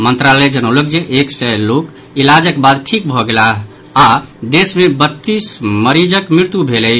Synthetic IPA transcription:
mənt̪ɾalɛd͡ʒənəwləkd͡ʒeʔeksɛlok | ilad͡ʒəkbad̪ʈʰik̚bʱɔɡelaɦ | ad̪esmebət̪ːisməɾid͡ʒəkmiɾt̪ubʱelɛj

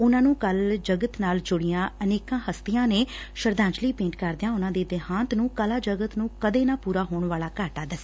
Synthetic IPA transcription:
ʊnãːnũːkəld͡ʒəɡət̪naːld͡ʒʊɽɪjãːəneːkãːhəst̪ɪjãːneː | ʃəɾd̪ãːɲd͡ʒliːpẽːɳʈkəɾd̪ɪjãːʊnãːd̪eːd̪eɦãːnt̪nũːkəlaːd͡ʒəɡət̪nũːkəd̪eːnaːpuːɾaːɦoːɳʋaːlaːkaːʈaːd̪əsː

